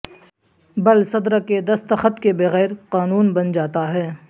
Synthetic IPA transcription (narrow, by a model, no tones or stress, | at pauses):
bɐlsɐd̪ɾaked̪ɐst̪əxət̪kebɐɣɛːɾqaːnuːnbɐnd͡ʒaːt̪aɦɛː